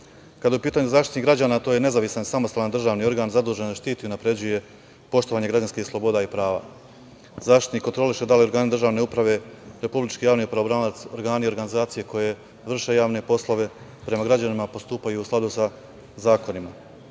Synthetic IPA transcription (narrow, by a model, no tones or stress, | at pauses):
kad̪aupiːt̪aɲuzaːʃt̪it̪niɡɾad͡ʑaːnat̪oje̞ne̞zaʋisansamost̪aːland̪r̩ʒaːʋnio̞ɾɡaːnzad̪uːʒe̞nzaʃt̪iːt̪iunapɾe̞d͡ʑuje̞ | po̞ʃt̪o̞ʋaːɲe̞ɡɾad͡ʑanskiːxslˠo̞bo̞d̪aːipɾaːʋa̰ː | zaːʃt̪it̪nikːot̪ɾo̞liʃe̞d̪alio̞ɾɡaːnid̪rʒaːʋne̞upɾaʋe̞ɾe̞publit͡ʃkijaːʋnipɾaobɾaːlat̪so̞ɾɡaːnio̞ɾɡanizaːt̪sije̞ko̞je̞ | ʋr̩ʃe̞jaːʋne̞po̞slˠoʋe̞ | pɾe̞maɡɾad͡ʑanimapo̞st̪uːpajuːsklˠad̪usa | zaːkonima